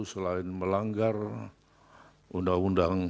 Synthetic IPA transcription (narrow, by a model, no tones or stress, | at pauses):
usəlaɪnməlaŋɡar | undaŋundaŋ